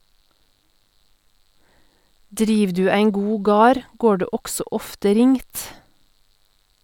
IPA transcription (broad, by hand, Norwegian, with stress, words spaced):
ˈdɾiːʋ ˈdʉː ˈæɪn ˈɡuː ˈɡɑːɾ ˈɡoː ˈɖeː ˈɔɡsɔ ˈɔftə ˈɾɪŋt